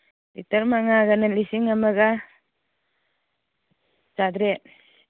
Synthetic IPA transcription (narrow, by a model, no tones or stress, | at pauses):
litaɾmaŋaɡananlisiŋamaɡa | d͡ʒadɾet̚